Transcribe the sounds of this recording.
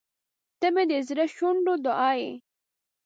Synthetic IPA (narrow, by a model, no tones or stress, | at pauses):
t̪əmed̪əzɾaʃoɳɖod̪ʊʔɑːje